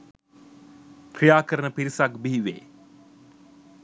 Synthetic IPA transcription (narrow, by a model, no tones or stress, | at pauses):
kɾijaːkəɾənəpiɾisakbiɦiʋḛː